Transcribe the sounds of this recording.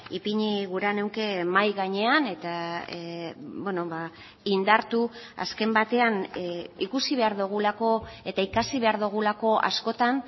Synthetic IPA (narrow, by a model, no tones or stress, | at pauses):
ipiɲiɣuɾane̞wŋke̞majɣaɲe̞ane̞t̪a | beno̞βa | ind̪aɾt̪u | a̰ske̞mbat̪e̞anikusiβe̞aɾðuɣ̞ulako̞e̞t̪aikasiβe̞aɾðuɣ̞ulako̞ʔa̰sko̞t̪an